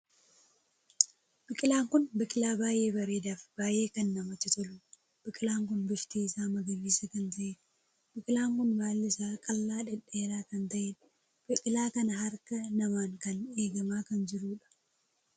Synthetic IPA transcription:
b̥ɪkʼɪlaːŋkʊnbɪkʼɪlaːbaːjʔe̞ːbɐɾeːd̪aːfb̥aːje̞ːkɐnːɐmɐt͡ʃːɪt̪ʊlʊ | b̥ɪkʼɪlaːŋk̬ʊnbɪʃt̪eːɪsaːmɐɡɐmiːsɐkɐnt̪ɐʔɛ | b̥ɪkʼɪlaːŋkʊnmaːlːɪsaːkʼɐlːaːᶑɛᶑeːɾaːkɐnt̪ɐʔɛ | b̥ɪkʼɪlaːkɐnɐɦɐɾkɐnɐmaːŋkɐneːɡɐmaːkɐnd͡ʒɪɾuːᶑɐ̥

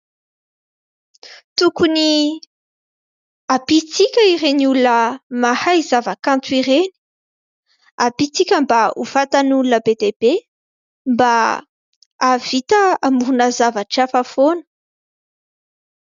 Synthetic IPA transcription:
t̪ukuni | apit͡sikʲəiɾeniulunəmahajzavakant̪wiɾeni̥ | apit͡sikʲəmbauv̥at̪anulunəbed̪eb̥e | mba | av̥it̪əamuɾunəzavaʈ͡ʂafəfonə̥

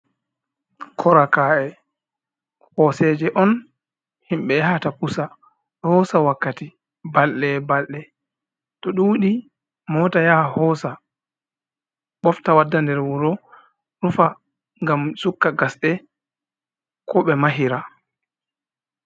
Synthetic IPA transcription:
kʰɔɾakaːɛ | hɔsɛd͡ʒɛʔɔn | himɓɛɦatapusa | hɔsawakːati | balɗɛbalɗɛ | tɔɗuwɗi | mɔtajaːhɔːsa | ɓɔftawadːandɛɾwuɾɔ | ɾufa | ŋɡamsukːaɡasɗɛ | kʰɔɓɛmaɦiɾa

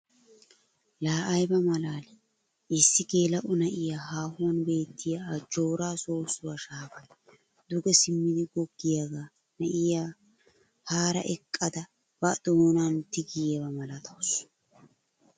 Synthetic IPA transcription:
laːʔɐjbɐmɐlaːlɛ | ɪsːɪɡeːlɐʔʊnɐʔɪjaːɦaːhʊwɐnbe̞ːt̪ːɪjɐad͡ʒoːɾaːsoːsʊwɐʃaːfɐj | d̪ʊɡɛsɪmːɪd̪ɪɡɔɡːɪjaɡaː | nɐʔɪjaː | haːɾɐ̰ʔɛkʼːɐd̪ɐ | b̥ɐd̪̥ɔmɔnant̪ɪɡɪjbɐmɐlɐt̪ʰɐws

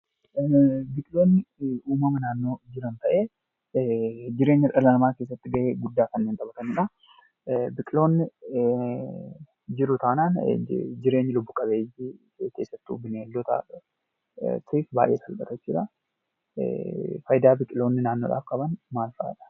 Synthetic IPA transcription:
bɪkʼɪlo̞ːnːɪʔuːmɐmɐnaːnːo̞ːd͡ʒɪɾɐnt̪ɐʔe̞ː | d͡ʒɪɾe̞ːɲːɐᶑɐlɐnɐmaːkeːs̬ːɐt̪ːɪɡɐʔeːɡʊd̪ːaːkɐnːeːnt̪ʼɐbɐt̪ɐnʊᶑɐ | bɪkʼɪlo̞ːnːɪ | d͡ʒɪɾʊt̪ɐːnaːnd͡ʒɪɾe̞ːɲːɐlʊbːʊkʼɐbeːjɪ | ke̞ːsːɐt̪ːʊ̰bɪneːlːɔt̪a̰ː | siːfba̰ːʔeːsɐlbɐt̪ɐt͡ʃːɪᶑɐ | fɐjd̪aːbɪkʼɪlo̞ːnːɪnaːnːo̞ːᶑa̰ːfkʼɐbɐnmaːlfʔa̰ːᶑɐ̥

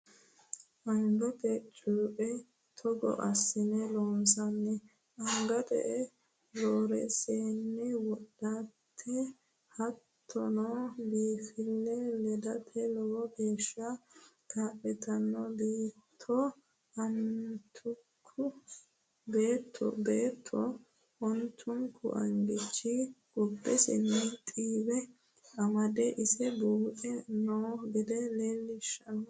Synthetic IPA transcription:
ʔɐŋɡɔt̪ɛt͡ʃʼuːpʼɛ | t̪ʰɔɡɔ̰ʔɐsːɪnɛloːnsɐnːɛ | ʔɐŋɡɐd̪ɛ̰ʔɛ | ɾoːɾɛseːnːɪwɔɗːatʰːɛ | hɐt̪ʰːɔnobiːfɪlːɛlɛd̪ɐt̪ʰɛlɔwɔɡeːʃːɐkʰaːpʼːɛt̪ɐnːɔbiːt̪ʰːɔ | ɐnt̪ʰʊkʰːʊ | beːt̪ʰːɔ̰beːt̪ʰːɔ | ʔʊnt̪ʰːʊŋkːʊ̰ʔɐ̰ŋɡɪt͡ʃːɪɡʊbːɛsɪ̰nːɪt̪ʼiːbɛ | ʔɐmɐd̪ɛʔɪsɛbuːʔɛnoːɡɛd̪ɛleːlːɪʃːɐnɔ

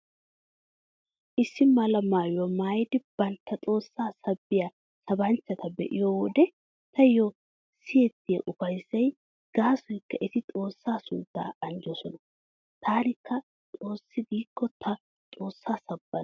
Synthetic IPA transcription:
ʔɪsːɪmɐlɐmaːjwɔmaːjɪd̪ɪb̥ɐnt̪ːɐt͡sʼo̞ːsːaːsɐbːɪja | sɐbɐnt͡ʃːɐt̪ɐbɛ̰ʔɪ̰joːwɔd̪ɛ | t̪ɐjo | sɪjɛt̪ːɪjɐʔʊfɐjzːɐj | ɡ̥aːsɔjkːɐʔɪt̪ɪt̪ʼo̞ːsːaːsʊ̰d̪ːa̰ːɐnd͡ʒɔsɔnɐ | t̪ʰaːnɪkːɐ | t̪ʼo̞ːsːɪɡiːkːɔt̪ʰɐ | t̪ʼo̞ːsːaːsɐbːɐ

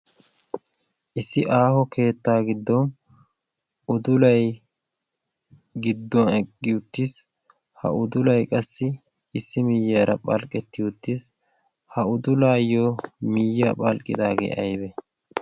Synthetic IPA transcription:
ʔɪsːɪʔaːhɔkʰe̞ːt̪ːaːɡɪd̪ːɔn | ʊd̪ʊlɐj | ɡɪd̪ːɔnɛɡːɪʊt̪ːis | hɐ̰ʊd̪ʊlɐjkʼɐsːɪː | sːɪmiːjːaːɾɐ̰pʼɐlkʼːɛt̪ːɪʊt̪ːis | hɐʊd̪ʊlaːjomiːjapʼɐlkʼːɪ̰d̪aːɡḛːʔɐjbɛ

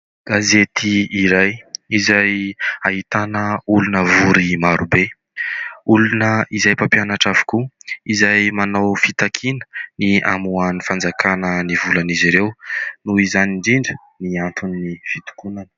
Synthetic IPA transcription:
ɡ̥azet̪iːɾajizajaɦit̪anəulunəvuɾimaɾube | ulunəizajpapjanaʈ͡ʂavu̥kuizajmanawfit̪akʰinə̥nia̰muanifand͡zakanənivulaniziɾewnuizaniɳɖ͡ʐiɳɖ͡ʐə | niant̪uniːifit̪u̥kunanə̥

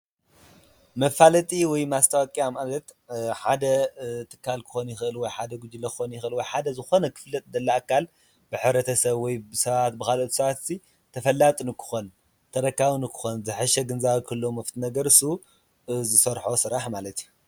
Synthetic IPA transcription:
mɐfalɐt̪ʼiwɔjmast̪ʰʼawɔkʼiamalɐt̪ħad̪ɐt̪ʰɨ̥kʰːalkʰɨ̥xo̞njɪxɨʔɨlwɔjħad̪ɐɡud͡ʒɨlɐkxonjɪxʔɨlwɔjħad̪ɐzɨxo̞nɐkʰɨ̥flɐt̪ʼd̪ɐlːaakʰːal | bɨħɨβɾɐt̪ʰɐsɐβwɔjbɨsɐβat̪̚bɨkalot̪ʰu̥sɐβat̪ɨ̥si | t̪ʰɐfɐlːat̪ʼnɨkʰɨ̥xon | t̪ʰɐɾɐkːaβunɨkʰɨ̥xonzɨħɨʃɐɡɨnzaβkʰɨlːomɐft̪ʰinɐɡɐɾɨsu | zɨsɐɾħosɨɾaħmalɐt̪ju

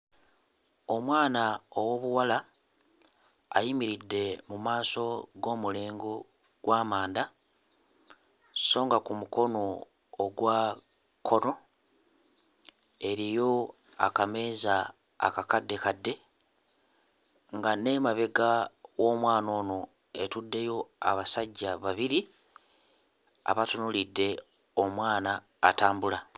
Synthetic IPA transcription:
o̞mwaːnaowo̞βuwala | jimiɾidːe̞mumaːso̞ɡo̞ːmuleːŋɡo | ɡ̥waːmaːnda | so̞ːŋɡakumuko̞no̞ː | ɡwa | kʰo̞no̞ | e̞ɾijo̞ | a̰kame̞ːza̰ː | kakadːe̞kadːe̞ | ŋɡane̞maβe̞ɡawo̞ːmwaːno̞ːno̞ | e̞tudːe̞jo̞a̰βasaɟːaβaβiɾi | a̰βatunulidːe̞ | omwaːnaː | taːmbula

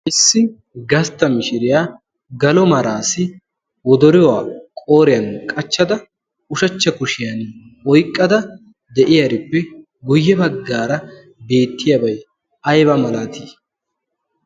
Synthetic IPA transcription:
ʔɪsːɪ | ɡɐst̪ːɐmɪʃɪɾɪjaː | ɡɐlɔmɐɾaːsɪ | wɔd̪ɔɾɪwaːkʼo̞ːɾɪjɐnkʼɐt͡ʃːɐd̪ɐ | ʊʃɐt͡ʃːɐkʊʃɪjɐn | ɔjkʼːɐd̪ɐ | d̪ɛʔɪjɐɾɪpːɛ | ɡʊjːɛbɐɡːaːɾɐ | be̞ːt̪ːɪjɐbɐj | ɐjbɐmɐlaːt̪ʰiː

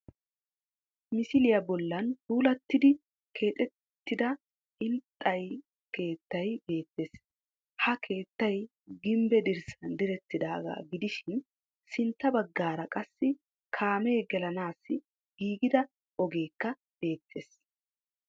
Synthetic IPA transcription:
mɪsɪlɪjɐbɔlːɐnhuːlɐt̪ːɪd̪ɪ | kʰe̞ːt̪ʼɛt̪ːɪd̪ɐ | ɪlt̪ʼːɐj | ke̞ːt̪ːɐjbe̞ːt̪ːe̞ːs | hɐkʰe̞ːt̪ːɐj | ɡɪmbɛd̪ɪɾsɐnd̪ɪɾɛt̪ːɪd̪a̰ːɡa̰ːɡɪd̪ɪʃɪn | sɪnt̪ːɐbɐɡːaːɾɐkʼɐsːɪ | kʰaːmeːɡɛlɐnaːsːɪ | ɡ̥iːɡɪd̪ɐ | ɔɡe̞ːkːɐ | b̥e̞ːt̪ʰːe̞ːs

